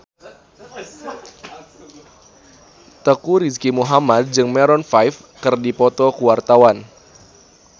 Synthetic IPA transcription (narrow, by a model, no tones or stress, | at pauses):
t̪əkuɾiskimuɦamad̚d͡ʒɨŋmɛɾɔnfajf | kərdipɔt̪ɔkuwart̪awan